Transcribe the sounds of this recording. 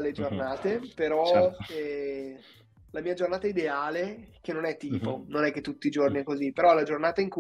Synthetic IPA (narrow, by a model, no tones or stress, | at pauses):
led͡ʒornaːt̪epeɾɔɛ | lamiːad͡ʒornaːt̪aid̪eaːlek̟enːonɛt̪ːiːpononɛk̟ːet̪ːut̪ːiːd͡ʒorniɛkːozipːeɾɔlad͡ʒornaːt̪aiŋku